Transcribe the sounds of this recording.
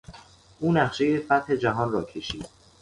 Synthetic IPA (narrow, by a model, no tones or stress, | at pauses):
ʔuːnæχʃe̞je̞fæt̪he̞d͡ʒæɦɒːnrɒːcʰe̞ʃiːd̪̥̚